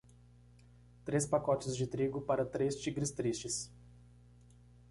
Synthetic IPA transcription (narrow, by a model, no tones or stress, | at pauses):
t̪ɾespakɔt͡ʃɪzd͡ʒɪt̪ɾiɡʊpaɾɐt̪ɾest͡ʃiɡɾɪst̪ɾist͡ʃɪs